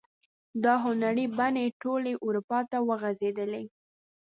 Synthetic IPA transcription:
d̪ɑɦʊnaɾibaneʈoleʔuɾupɑt̪awəɣazed̪əle

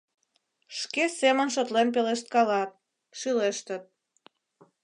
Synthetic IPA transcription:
ʃkesemənʃ̬ot̪lenpeleʃt̪̚kɑlɑt̪̚ | ʃyleʃt̪ət̪̚

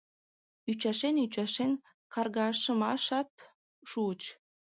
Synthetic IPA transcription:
yt͡ɕɑʃenyt͡ɕɑʃen | kɑrɣɑʃə̆mɑʃɑt̪ | ʃuət͡ɕ

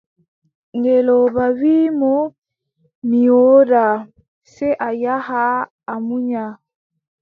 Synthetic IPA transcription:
ŋɡɛlɔβaβimɔ | miɔɾa | sɛʔajahaː | muɲa

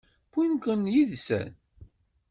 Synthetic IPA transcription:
kinkənjiðsæ̰n

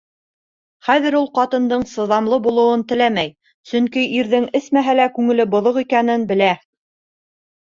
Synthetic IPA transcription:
χæðɘ̆ɾulˠqɑt̪ɤ̆nd̪ɤɴsɤ̆ðɑmlˠɤbulˠɤ̆wɤnt̪ɘ̆læmæj | sɵŋkiʔiɾðɘŋɘ̆smæɦælækʉŋɘ̆lɘbŏðoʁikænɘnbɘ̆læ

